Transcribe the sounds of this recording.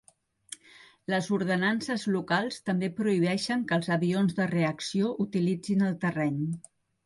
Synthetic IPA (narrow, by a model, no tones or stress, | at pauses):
ləzuɾðənansəzlukalˠst̪əmbepɾuiβ̞ɛʃəŋkəlˠzəβionzðəreəksioʔut̪ilid͡zinəlˠt̪ərɛɲ